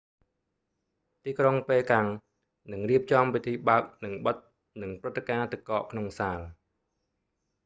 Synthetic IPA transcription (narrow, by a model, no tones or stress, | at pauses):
t̪iːkroŋpeːlkaŋ | nɨŋriəp̚t͡ɕɑmpit̪ʰiːɓaək̚nɨŋɓət̪̚ | nɨŋprɨt̪ːekaːt̪ɨkɑːʔkʰnoŋsaːl